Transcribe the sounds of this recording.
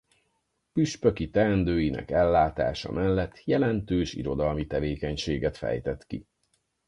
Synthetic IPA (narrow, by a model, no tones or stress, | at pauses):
pyʃpøkit̪ɛnd̪øːjinɛ̰kɛlːaːt̪a̰ːʃɒ̰mʔɛlːɛt̪ːjɛlɛnt̪øːʃḭɾo̞d̪ɒlmit̪ɛveːkɛɲʃeːɡɛt̪fɛ̰jt̪ɛt̪kḭ